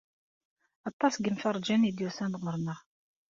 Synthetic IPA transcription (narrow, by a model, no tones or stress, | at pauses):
ɑt̪ˤːɑsɡənfɑrˤd͡ʒænid̪jusænd̪ʁəɾˤnəʁ